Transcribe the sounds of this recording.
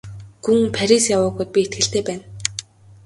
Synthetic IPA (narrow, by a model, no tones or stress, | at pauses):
ɡ̥uŋpʰaɾʲisjawʊːɣujt̪̚pʲiet̪̚ɡɘ̆ɬt̪eːpæːn